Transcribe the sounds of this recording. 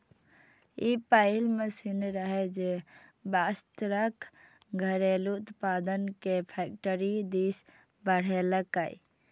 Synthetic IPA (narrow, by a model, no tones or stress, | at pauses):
ipaɪlmesinɾəɦed͡ʒebast̪ɾək | ɡʱəɾelut̪paːd̪ənkepʰɛk̚ʈəɾid̪is | bəɽ̤eləkaḭ